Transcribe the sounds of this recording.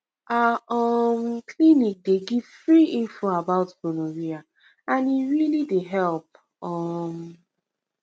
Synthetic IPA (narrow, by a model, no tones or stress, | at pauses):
ʔaɔmkʰlinik̚deɡiv̥fɹiʔĩnfoabaʊtbonoɹia | ãniɹilideɦɛlp̚ | ɔm